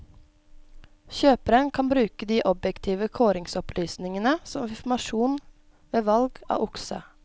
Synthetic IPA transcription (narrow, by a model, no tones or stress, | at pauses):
çøːpəɾənkʰɑnbɾʉːkəd̪iːʔɔbjɛkt̪ʰiːʋəkʰoːɾɪŋsɔplyːsnɪŋənəsɔmɪfmɑʃuːn | ʋeːʋɑlɡɑ̰ːʔʊksə̰